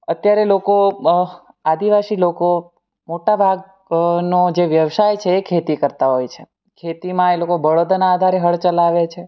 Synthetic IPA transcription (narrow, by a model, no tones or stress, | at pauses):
ət̪jaɾeloko | ad̪iʋasiloko | moʈabʱaɡ̚ | nod͡ʒeʋjəʋsajt͡ʃʰeːkʰet̪ikəɾt̪aɦojt͡ʃʰe | kʰet̪imãelokobəɽod̪anaːd̪ʱaɾeɦəɭt͡ʃəlaʋet͡ʃʰe